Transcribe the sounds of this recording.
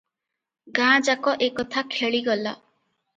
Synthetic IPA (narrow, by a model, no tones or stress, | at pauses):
ɡãd͡ʒakɔʔekɔt̪ʰakʰeɭiɡɔla̰